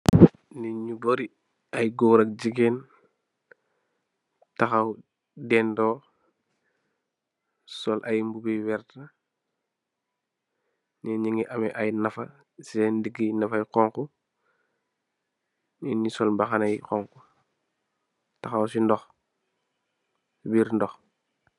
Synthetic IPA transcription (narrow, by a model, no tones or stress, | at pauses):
niɲuboɾi | ɐjɡoːɾɐk̚d͡ʒiɡen | taxaw | dɛːndɔː | sɔlʔajmbubiwɛɾta | niɲiŋiʔamɛʔajnɐfɐ | sɛndiɡinɐfajkɔŋku | inisɔlmbaxanajkɔŋku | taxawsindɔx | biɾndɔx